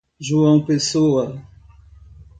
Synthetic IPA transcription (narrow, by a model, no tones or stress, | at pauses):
ʒuɐ̃w̃pesoɐ